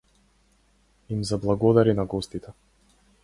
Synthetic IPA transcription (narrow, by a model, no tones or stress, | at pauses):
imzablˠaɡɔd̪aɾinaɡɔst̪it̪ɛ